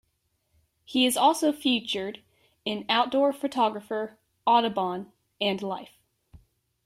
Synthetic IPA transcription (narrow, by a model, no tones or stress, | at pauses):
hiɨzɔlˠsoʊfjʉt͡ʃə˞ɾ | ɨ̃naʊt̚d̥ɔɹfɨtʰɑɡɹɨfə˞ | ɑɾɨbɑ̃n | ɨ̃nlaɪf